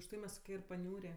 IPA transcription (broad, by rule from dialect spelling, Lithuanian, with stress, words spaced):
ʊʃˈtɐɪ mʲɛs ɪr pɐˈnʲuːrʲeː